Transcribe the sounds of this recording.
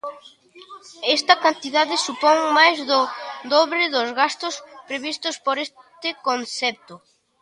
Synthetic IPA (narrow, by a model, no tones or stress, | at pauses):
ɛst̪ɐkant̪iðaðɪsupɔŋmajzðʊd̪ɔβɾɪðʊzɣast̪ʊspɾeβist̪ʊspoɾes | t̪ɪkonθɛp̚t̪ʊ